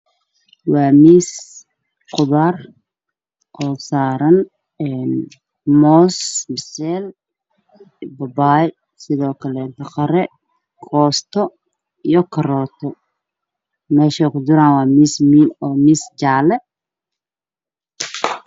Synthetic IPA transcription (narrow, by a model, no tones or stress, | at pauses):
wɑːmiːs | qʊðaːr | ʔɔːsaːɾɐn | ɛn | mɔːsmɪsɛːl | bɐbaːj | sɪðɔːkʰɐlɛnt̪ʰɐqɑɾɛ | kʰɔːst̪ʰɔ | ijɔkʰɐrɔːt̪ʰɔ | mɛːʃɛkʰʊd͡ʒɪɾaːnwɑːmiːsmiːnɔːmiːsd͡ʒaːlɛ